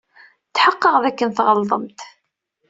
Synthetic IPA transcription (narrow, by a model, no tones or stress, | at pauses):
θħəqːəʁðækːənθʁəlðˤəmt̪